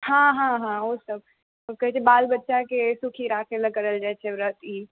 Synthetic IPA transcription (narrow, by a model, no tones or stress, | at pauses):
hãɦãɦãosəb̪̚ | ɔkəɦɛt͡ʃʰɛbaːlbətːʃakesukʰiɾaːkʰeləkəɾəld͡ʒajt͡ʃʰɛʋɾət̪i